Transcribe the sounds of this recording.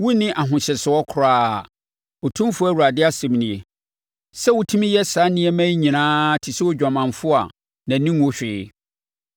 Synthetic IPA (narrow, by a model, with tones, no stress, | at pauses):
wu˦nɪ̃˦ʔa˨ɦʊ̃˨ɕɪ˨sɪ˨ɔ˦kʰʊ˨ɾaː˦˨ | o˨tʰũ˦m˦fʊ˦æ˦˨wu˨ɾa˨dɪ˦a˦sɛ̃˨m˨nĩ˨e˨ | sɛ˦wʊ˨tʰũ˦mĩ˦jɛ˦sa˨˦nɪ̃˦ɛ˦mæ̃˦ɲĩ˨nãː˦tʰɪ˨sɪ˦wo˦d͡ʑᶣã˨mã˨nfʊ˦a˨ | nã˨nĩ˦wo˦ɕᶣɪ˨